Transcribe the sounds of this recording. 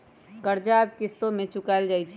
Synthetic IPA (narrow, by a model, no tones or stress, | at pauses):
kəɾd͡ʒaːb̚kɪst̪õmẽt͡ʃʊkaːld͡ʒaːit͡ʃʰ